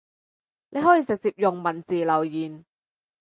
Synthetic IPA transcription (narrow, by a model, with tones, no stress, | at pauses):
lʔe˨˧jɦɔː˨˥jiː˨˧sɪ˨k̚siː˧p̚jʊ˨ŋmɐ˨˩nt͡siː˨lɐ˨˩wjiː˨˩n